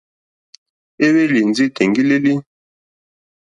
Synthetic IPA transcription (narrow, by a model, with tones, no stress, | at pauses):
e˦βe˦li˨n˨d͡zi˦tʰe˨ŋɡi˦le˦li˦